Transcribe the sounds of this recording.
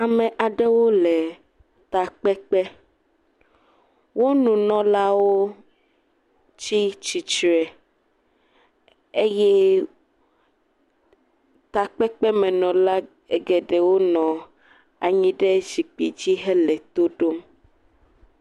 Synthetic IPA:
a˨mɛ̃˨ʔa˨ɖɛ˦wo˦lɛ˨ | t̪a˨k͡pɛ˦k͡pɛ˦ | wo˦nũ˨nɔ̃˦la˦wo˦ | t͡ʃi˦t͡ʃi˨t͡ʃɾɛ˨ | e˦jɛ˦ | t̪a˨k͡pɛ˦k͡pɛ˦mɛ̃˨nɔ̃˨la˦ | e˨ɡɛ˨ɖɛ˨wo˦nɔ̃˨ | a˨ɲĩ˦ɖɛ˦zi˨k͡pi˨d͡ʑi˦ɦɛ˦lɛ˨t̪o˦ɖo˦m

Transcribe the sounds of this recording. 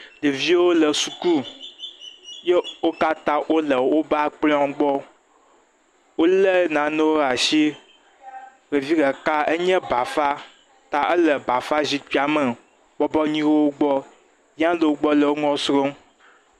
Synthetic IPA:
de˨vi˦wo˦lə˨su˨ku˦ | je˦wo˦ka˦t̪ã˦ʔwo˦lə˨wo˦ba˦a˦˨k͡plɔ̃˦ɡ͡bɔ˦ | wo˦le˦nã˨nɛ̃˦wo˦˨a˨ʃi˦ | ɣe˨vi˦ɡɛ˨ka˦e˦ɲɛ̃˦ba˨fa˦ | t̪a˦ʔe˦lə˨ba˨fa˦zi˦tk͡pi˦a˨mə˨ | bɔ˦bɔ˦ɲĩ˦wo˦wo˦ɡ͡bɔ˦ | ɲ˦ã˦lə˨wo˦ɡ͡bɔ˦lə˨wo˦ŋɔ̃˦sɾo˦m

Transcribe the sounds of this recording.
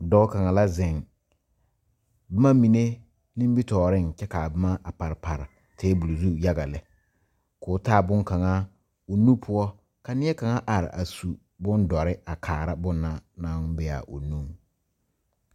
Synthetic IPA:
dɔ˦ka˨ŋa˨la˦zɛ˨ŋ | bɪ˦ma˦mi˨ne˦ | nɪ̃˦m˦bi˦tɔː˨ɾɪ˦ŋt͡ʃɛ˦ka˨bɪ˦ma˦a˨pa˨ɾɪ˨pa˨ɾɪ˨ | tʰeː˨˦bu˨lo˨zu˦ja˦ɡa˨lɛ˨ | kʊː˨˦taː˦˨bʊ˦ŋka˨ŋa˦ | o˨nu˦pʰʊ˦ɔ˦ | ka˨nɪ˦ɛ˦ka˨ŋa˦ʔa˨ɾɪ̰˨ʔa̰˨su˨ | bʊ˦ndɔ˨ɾɪ˦a˨kʰaː˨ɾa˦bʊ˦nːa˦na˦ŋbɛ˨a̰˨ʔo̰˨nu˦ŋ

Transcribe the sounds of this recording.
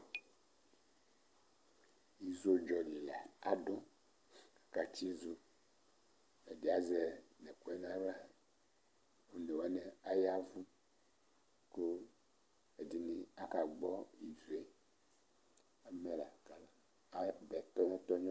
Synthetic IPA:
i˨zo˦d͡ʒɔ˨li˨la˨a˦ɖo˦ | a˨ka˨t͡ʃi˦zu˦ | e˨di˨a˦zɛ˨nɛ˨ko˦ɛ˦nã˦va˦ | wo˦nɛ˨wa˦nɛ˦a˦ja˦vu˦ | ko˦ | e˨di˨nĩ˦a˦ka˨ɡ͡bɔ˦i˨ze˨ | a˨mɛ˦la˨ka˨la˨˦ | bɛ˨t̪ɔ˦ɲɔ̃˦t̪ɔ˦ɲɔ̃˦

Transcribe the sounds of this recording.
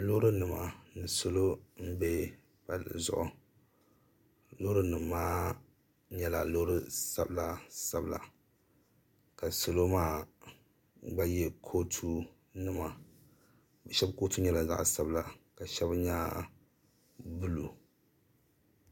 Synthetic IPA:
lo˦ɾɨ˦nɨ˨ma̰˨nɨ˨so˦lo˦m̩˦be˦ | pa˨l̰zʊ̰˦ʔʊ˨ | lo˦ɾɨ˦nɨ˨mːaː˦ | ɲɛ˦la˨lo˦ɾɨ˦sa˦bla˨sa˦bla̰˨ | ka˨so˦˨lo˦maː˦ | ba˦jɛ˦kʰo˦tʰu˦ | nɨ˦ma˨ | ba˨ʃɛ˦bko˦tu˦ɲɛ˦la˨za̰˦ʔsa˨bla˨ka˨ʃɛ˦bɲa˦ | bu˦lu˨

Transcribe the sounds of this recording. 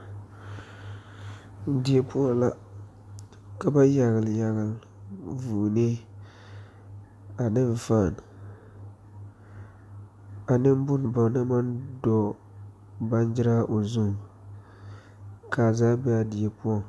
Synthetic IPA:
di˨e˨pu˦ɔ˦la˦ | ka˨ba˦ja˨ɣɪ˨lja˨ɣɪ˨l | vuː˨ne˦ | a˨nɪ˦ɱ˨faː˦˨n | a˨nɪ˦m˦bʊ˦n˨ba˨na˦ma˦ndɔ˦ | ba˦nd͡ʒɪ˦ɾa˦ʔo˨zu˦˨ | ka˨zaː˦bɛ˦a˦di˨ɛ˨pu˦ɔ˦

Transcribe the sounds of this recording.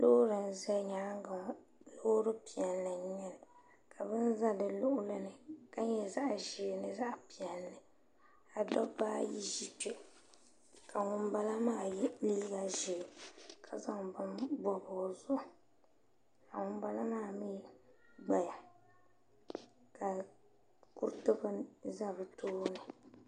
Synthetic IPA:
lo˦ɾɨ˨n̩˨zɛ˦ɲaː˨˦ŋɡ | lo˦hɾɨ˦pi˨ɛ˨lːɨ˨nɛ˨l | kʰa˨bɨ˦n˦za˦dɨ˨lʊ˦ʔʊ˦la˦nɨ˨ka˦ɲɛ˦za˦ʔʒi˨nɨ˨za˦ʔpi˨ɛ˨lːɨ˨ | a˨dɔ˦baː˦ji˦ʒi˦tɛ˨ | ka˨ŋʊ˦mba˦la˦maː˦˨jli˦i˦ɡa˨ʒɛ˨kʰa˨za˦ŋbbɔ˨bɔ˨zʊ˦ʔ | ka˨ŋʊ˦m˦ba˦la˦maː˦˨miː˦ | ɡ͡ba˨ja˨ | ka˨ | ku˦tɨ˦bɨ˦za˦bɨ˨toː˦nɨ˨

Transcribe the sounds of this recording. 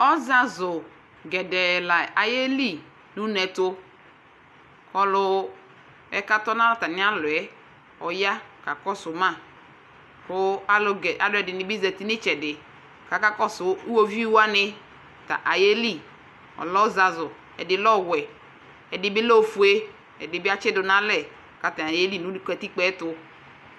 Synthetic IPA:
ɔ˦za˨zʊ˨ | ɡɛ˨dɛ˨la˨a˨je˦li˦˨ | nu˦nɛ˨to˦ | kɔ˦lʊ˦ | ɛ˨ka˦tɔ˦n˦a˦lɔ˦ta˨nɪ˦a˦lʊ˨ɛ˦ | ɔ˨ja˦ka˨kɔ˦sʊ˨ma˦˨ | kʊ˦a˦lɛ˨a̰˨dʊ˦ɛ˨dɪ˨nɪ˨bi˦zɛ˨ti˦nɪ˦t͡ʃɛ˨dɪ˨ | ka˨ka˦kɔ˦sʊ˨u˦wo˦vi˦wa˦nɪ˦ | ta̰˨ʔa˨je˦li˦˨ | ɔ̰˨lɔ˦za˨zʊ˨ | ɛ̰˨dɪ˨lɔ˦˨wɛ˨ | ɛ˨dɪ˨˦bɪ˦lo˦˨fu˨e˦ | ɛ˨dɪ˨bɪ˦a˦t͡ʃɪ˦dʊ˨na˦lɛ˨ | ka˨ta˨na˨je˦li˦˨nu˦di˦kɛ˨ti˦k͡pɛ˦tʊ˦

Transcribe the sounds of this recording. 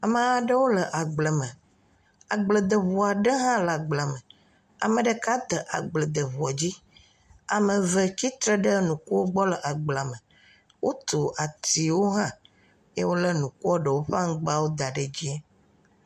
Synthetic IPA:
a˨mə̃˦a˦ɖə˦wo˦lə˨ʔa˨ɡ͡blə˨mə̃˨ | a˨ɡ͡blə˨d̪ə˨βu˨a˨ɖə˦ɦã˦la˨ɡ͡bla˨mə̃˨ | a̰˨mə̃˨ɖə˨ka˦t̪ə˨ʔa˨ɡ͡blə˨d̪ə˨βu˨ɔ˨d͡ʑi˦ | a˨mə̃˨və˨t͡ɕi˦t̪ɾə˦ɖə˦nũ˨ku˦wo˦ɡ͡bɔ˦lə˨ʔa˨ɡ͡bla˨mə̃˨ | wʔo˦t̪o˨ʔa˨t̪i˨wo˦ɦã˦ | jḛ˦wo˦lə˦nũ˨ku˦ɔ˦ɖə˨wo˦ɸa˦ŋ̩˦ɡ͡ba˦˨wo˦d̪a˨ɖe˨d͡ʑi˦ɛ˦

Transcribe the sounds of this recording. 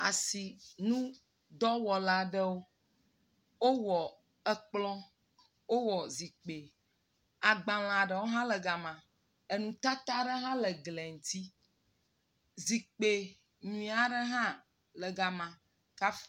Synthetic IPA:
a̰˨si˨nũ˦ | d̪ɔ˦wɔ˨la˦ɖə˦wo˦ | wo˦wɔ˨ | ə˦k͡plɔ̃˦ | wo˦wɔ˨zi˨k͡pe˨ | a˨ɡ͡bã˨l̃ã˨ɖə˨wo˦ɦã˦lə˨ɡa˨mã˨ | e˨nũ˨t̪a˦t̪a˦ɖə˦ɦã˦lə˨ɡlɛ˨ŋu˨t̪i˦ | zi˨k͡pe˨ | ñĩ˨˦a˨ɖə˦ɦã˦ | lə˨ɡa˨mã˨ | ka˦f

